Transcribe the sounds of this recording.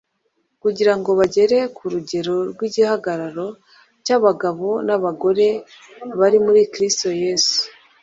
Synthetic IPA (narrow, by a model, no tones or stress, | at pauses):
kuɟiɾaŋɡo̞βaɟe̞ɾe̞kʰuɾuɟe̞ɾo̞ɾɡwiɟihaɡaɾaɾo̞ | caβaɡaβo̞naβaɡo̞ɾe̞ | βaɾimuɾikɾisto̞jeːsu̥